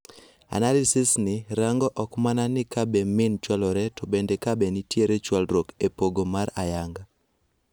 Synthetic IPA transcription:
a̰nalisɪsnɪɾaŋɡɔʔɔkmananɪkabɛmɪnt͡ʃwalɔɾɛtɔbendekabenɪtjeɾet͡ʃwalɾokepoɡomaɾajaŋɡa

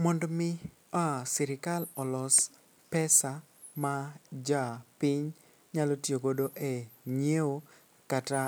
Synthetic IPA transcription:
mɔndmɪ | asɪɾɪkalɔlɔs | pɛsa | mad͡ʒapɪɲ | ɲalotjoɡodoʔeɲeo | kata

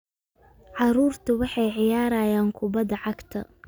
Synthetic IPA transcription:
ʕɑɾuːrt̪ʰʊwɑħɑjʕɪjaːɾaːjaːŋkʰʊbɐd̪ɐʕɑɡt̪ʰɐ̰

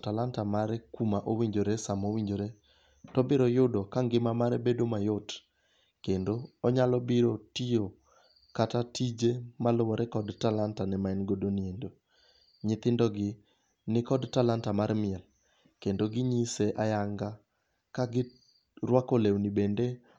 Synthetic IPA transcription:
talantamaɾɛkumaʔowiɲd͡ʒoɾesamowiɲd͡ʒoɾe | tɔbɪɾɔjʊdɔkaŋɡɪmamaɾɛbedomajot | kendoːɲalɔbɪɾotio | katatid͡ʒemalʊwɔɾɛkɔdtalantanɛmaɛnɡodoniendo | ɲɪt̪ɪndɔɡɪ | nɪkɔdtalantamaɾmɪɛl | kendoɡɪɲiseʔajaŋɡa | kaɡɪ | rwakolewnibende

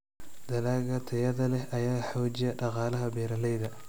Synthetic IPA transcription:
d̪̥ɐlaːɡɐt̪ʰɐjɐðɐlɛhʔɐjaːħoːd͡ʒɪjɐɗɑqɑːlɐɦɐbɛːɾɐlɛjðɐ

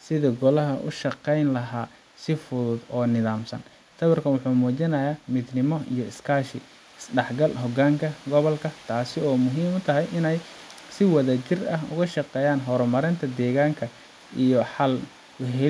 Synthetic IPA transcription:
sɪðɐɡɔlɐɦɐʔʊ̰ʃɐqɛjnlɐɦaː | sɪfʊðʊd̪ɔːnɪðaːmsɐ̰n | st̪ʰɐβɐrkʰɐnwʊħuːmuːt͡ʃɪnɐjaːmɪd̪nɪmɔijɔɪskʰaːʃɪ̰ | ɪsɖɛħɡɐlɦɔɡaːŋkʰɐɡɔβɔlkʰɐt̪ʰaːsɪɔːmʊɦiːmʊt̪ʰɐɦɛjʔɪnɛj | sɪwɐðɐt͡ʃɪrɐɦʊ̰ɣɐʃɑqɛːjaːnɦɔɾɔmɐɾɪnt̪ʰɐd̪ɛːɣaːŋkʰɐ | ijɔħɐl | ʊɦɛ

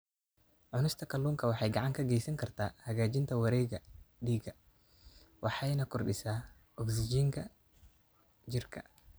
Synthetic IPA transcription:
ʕʊnɪst̪ʰɐkʰɐlːuːŋkʰɐwɑħɑjɡɑʕɑŋkʰɐɡɛjsɐŋkʰɐrt̪ʰaːhɐɣaːt͡ʃɪnt̪ʰɐwɐɾɛːɣɐdiːɡɐ | wɑħɑjnɐkʰʊrɗɪsaː | ʔɔksɪd͡ʒiːŋkʰɐ | d͡ʒɪrkʰɐ̰

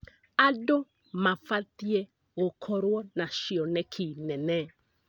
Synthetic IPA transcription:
ado | mafat̪je | ɣokʰɔɾwɔnaʃɪɔnɛkʰinɛnɛ

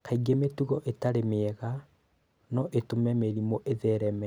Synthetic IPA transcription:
kaiɡemetuɣɔʔetaɾemeɛɣa | nɔʔetomɛmeɾimoʔeðɛɾɛmɛ

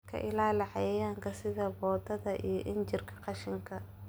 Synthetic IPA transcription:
kʰɐ̰ʔɪlaːlɪħɑjɛjaːŋkʰɐsɪðɐbɔːd̪ɐðɐʔḭjɞʔɪnt͡ʃɪrkʰɐ̥qɑʃɪŋkʰɐ

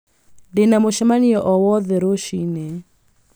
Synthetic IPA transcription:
denamoʃɛmaniɔʔɔwɔðɛɾoʃinɛ

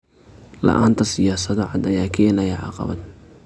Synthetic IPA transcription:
lɐ̰ʔa̰ːnt̪ʰɐsɪjaːsɐðɔʕɑd̪ɐjaːkʰɐjɛlɐjɐʕɑ̰qɑ̰βɐ̰d̪

